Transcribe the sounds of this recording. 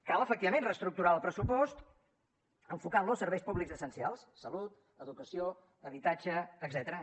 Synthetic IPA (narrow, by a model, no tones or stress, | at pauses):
kalˠəfək̚t̪iβəmẽnrəst̪ɾuk̚t̪uɾaəlˠpɾəsupɔst̪ | əɱfukanlosːəɾβɛjspuβlikzəsənsialˠssəlut̪ | əðukəsio | əβit̪ad͡ʒəːɡzɛt̪əɾə